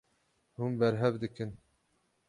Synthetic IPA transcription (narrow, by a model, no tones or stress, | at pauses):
hunbɛɾɦɛvd̪ɨkɨn